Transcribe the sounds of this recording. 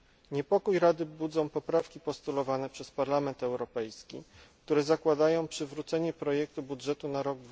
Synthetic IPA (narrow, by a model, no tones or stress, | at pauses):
ɲɛpɔkujɾad̪ɘbud̪zɔ̃w̃pɔpɾafkʲipɔst̪ulɔvanɛpʂɛspaɾlamɛnt̪ɛwɾɔpɛjskʲik̚t̪uɾɛzakwad̪ajɔ̃w̃pʂɘvɾut̪sɛɲɛpɾɔjɛk̚t̪ubudʐɛt̪unaɾɔɡd̪